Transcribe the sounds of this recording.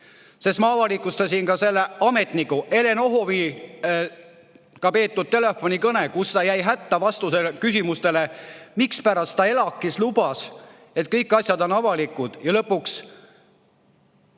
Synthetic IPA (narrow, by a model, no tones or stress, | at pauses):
sesmɑːvɑlikːˑust̪ɑsʲinkɑse̞lːeʔɑme̞t̪nikːˑuʔe̞le̞no̞ɦoviː | kɑpe̞ːt̪ːˑud̪̥̚t̪e̞le̞fːo̞nʲikɤne̞kust̪ɑjæjɦæt̪ːɑvɑst̪uselkysimust̪e̞le̞mikspæɾɑst̪t̪ɑe̞lɑkˑːislub̥ɑs | e̞t̪̚kɤjkːˑɑsʲjɑd̪o̞nɑvɑlikːˑud̪̥jɑlɤpːˑuks